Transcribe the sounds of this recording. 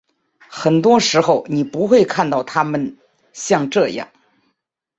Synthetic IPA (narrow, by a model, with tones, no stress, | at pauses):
xə˨˩nt̪wɔ˥ʂɻ̩˧˥xo˥˧˩ʊni˨˩pu˧˥xwe˥˧ɪkʰa˥˧nt̪ɑ˥˩ʊt̪ʰa˥mə˨n | ɕjɑ˥˧ŋʈ͡ʂɤ˥˧jɑ̰˥˩ŋ